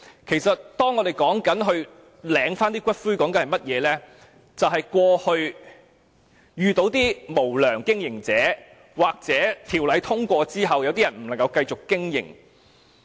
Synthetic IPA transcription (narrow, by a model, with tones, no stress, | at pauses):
kʰe˨˩jsɐ˨t̚t̪ɔː˥ŋːɔː˨˧d̪e˨˩jkɔː˨˥ŋkɐ˨˥nɦɵ˧ɥ | lɛː˨˧˥ŋfaː˥nt̪iː˥kʷɐ˥t̚fuː˥kɔː˨˥ŋkɐ˧nhɐ˨jmɐ˥t̚jɛː˨˧lɛː˥ | t͡sɐ˨wɦɐ˨jkʷɔː˧hɵ˧ɥ | jyː˨˧t̪o˨˥wt̪iː˥mo˨˩wlœː˨˩ŋkɪ˥ŋjɪ˨˩ŋt͡sɛː˨˥ | waː˨˩k̚t͡sɛː˨˥t̪ʰiː˨˩wlɐ˨˧˥jt̪ʰʊ˥ŋkʷɔː˧t͡siː˥ɦɐ˨wjɐ˨˧wt̪iː˥jɐ˨˩nm̩˨˩lɐ˨˩ŋkɐ˧wkɐ˧jt͡ʃʊ˨kkɪ˥ŋjɪ̰˨˩ŋ